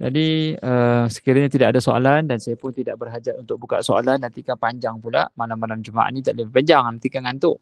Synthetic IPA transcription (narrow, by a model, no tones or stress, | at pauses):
d͡ʒa̰diəsə̥kiɾaɲat̪idaʔadasoa̰landansajapʊnt̪idaʔ̚bərɦad͡ʒaʔunt̪ʊk̚buka̰ʔsoa̰lanːant̪ikanpaɲd͡ʒaŋpula̰malamːalamd͡ʒumaʔa̰ʔnĩt̪aʔləbipaɲd͡ʒaŋnant̪ikanŋant̪ʊʔ